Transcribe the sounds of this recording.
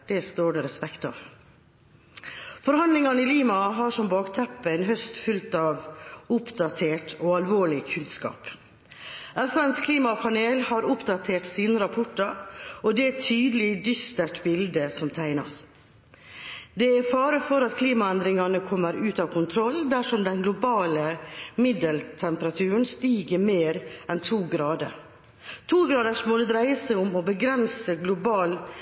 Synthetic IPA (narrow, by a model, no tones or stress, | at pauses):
d̪̥ɛst̪oːɖɛɾɛspɛkt̪ɑ̰ʋ | fɔɾhɑnd̪lɪŋɑnəɪliːmɑɦɑʂɔmbɑːkt̪ʰɛpːənɦœst̪fʉlt̪ɑːʋʊpd̪ɑt̪ʰeːʈɔːɑlʋoːɭɪkʰʉnskɑ̰ːp | ʔɛfænskʰliːmɑpʰɑneːlhɑɾʊpd̪ɑt̪ʰeːʈsiːnəɾɑpʰɔʈːəɾɔd̪ɛæt̪ʰyːd̪əlɪd̪ʏst̪əʈbɪld̪əsɔmt̪ʰæɪnɑ̰s | d̪ɛæfɑːɾəfɔɾɑt̪kʰliːmɑɛnd̪ɾɪŋɑnəkʰɔmːəɾʉːt̪ɑːʋkʰʊnt̪ʰɾɔld̪æʂɔmd̪ɛnɡlʊbɑːləmɪd̪əlt̪ʰɛmpəɾɑt̪ʰʉːɾəɳn̩st̪iːɡəɾmeːɾɛnt̪ʰuːɡɾɑːd̪ə̰ɾ | t̪ʰuːɡɾɑːd̪əʂmɔd̪ɛd̪ɾæɪəsæɪʊmɔbəɡɾɛnsəɡlʊbɑːl